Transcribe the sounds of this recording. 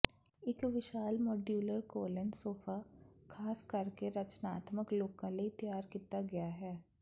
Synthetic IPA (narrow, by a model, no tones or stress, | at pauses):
ɪkʋɪʃaːlmɔːɖjuːləɾkoːlənsoːfakʰaːskɐɾkeɾɐt͡ʃnaːt̪məkloːkãleit̪jaːɾkiːt̪aɡɐjaɦɛː